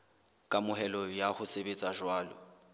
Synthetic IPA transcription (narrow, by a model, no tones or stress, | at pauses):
kʼamʊhɛlɔjahʊsebet͡sʼaʒwaːlɔ̰